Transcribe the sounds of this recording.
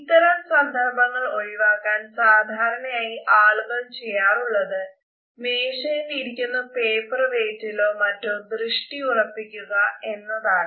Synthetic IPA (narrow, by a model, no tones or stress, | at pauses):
it̪ːɐɾɐmsɐnd̪ʱɐrbʱɐŋːɐɭo̞ɻiʋaːkːaːnsaːd̪ʱaːɾɐɳɐjaːjiʔaːɭuɡɐmt͡ɕe̞jːaːruɭːɐðɨ | meːʂɐjiliɾikʲːunːɐpe̞ːpɐrɐʋeːtːilo̞ːmɐtːomd̪rɨʂʈiurɐpːikʲːuɣɐe̞nːɐðaːɳɨ